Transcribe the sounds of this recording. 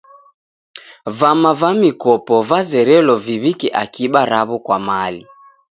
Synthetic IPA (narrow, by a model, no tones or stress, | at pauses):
vamavamikɔpɔvazɛɾɛlɔviβikɛʔakiɓaɾaβɔkwamali